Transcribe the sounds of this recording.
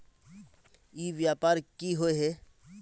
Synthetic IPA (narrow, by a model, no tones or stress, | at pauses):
iːʋjaːpaːɾkiɦoeɦɛ